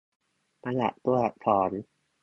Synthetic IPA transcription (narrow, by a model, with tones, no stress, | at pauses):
ma˧la̰˨ʔt̪u˧˩ɐ˨t̪ʰɔː˩˦n